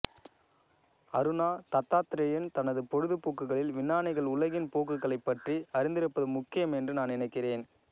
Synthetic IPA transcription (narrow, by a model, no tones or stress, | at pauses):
ɐɾɯnaːt̪ɐt̪ːaːt̪ɪɾɐjɐnt̪ɐnɐðɯpɔɻɯðɯpoːkːɯɣɐɭɪlʋɪnːaːnɪɣɐɭʊlɐɣɪnpoːkɯɣɐɭɐɪpːɐʈriɐɾɪnd̪ɪɾɯpːɐðɯmʊkːɪjɐmɛndrɯnaːnnɪnɐɪkːɪreːn